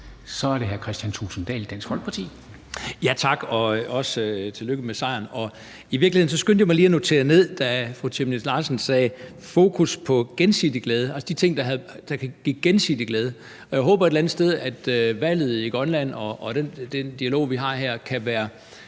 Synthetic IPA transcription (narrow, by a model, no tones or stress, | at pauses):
sɒ̽æɐɾ̥eɦæɐkʰʁɛsd̥ænt͡sʰṵːsn̩d̥ɛ̰ːld̥ænsɡ̥fɒ̽lɡ̥əpʰɑ̈t͡sʰḭː | jæt͡sʰɑ̈ɡ̥ɒ̽ɒ̽søt͡sʰe̝løɡ̥əmesɑ̈ɪ̰ɐnɒ̽ | iʋiɐɡliheð̰ˠn̩sɒ̽sɡ̥ønd̥jɑmɑliːɐno̝t͡sʰe̝̰ːɐne̝ð̞̰ˠd̥æfʁut͡sʰemne̥lɑ̈sən̩sɛː | fo̝ːkʰuspʰɒ̽ɡ̥ensid̥iɡ̥lɛːð̞ˠəælsəd̥it͡sʰe̝ŋ̰d̥ɑ̈ɦd̥ɑ̈kʰæɡ̥ḭɡ̥ensḭd̥iɡ̥lɛːðˠə | ɒ̽jaɪɦɔ̽ːb̥ɐe̝delænð̩ˠsd̥eð̞ˠæd̥øʋæl̰ð̞̩ˠiɡ̥ʁɒnlæn̰ɒ̽ʔːd̥end̥end̥iælo̝̰ːʋiɦɑ̈ɦæɐ̰kʰæʋæːɐ